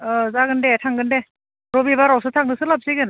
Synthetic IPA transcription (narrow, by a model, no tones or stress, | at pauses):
ɔzaɡɯndetʰaŋɡɯnde | ɾɔbibaɾawsɯtʰaŋdɯsɯlap̚siɡɯn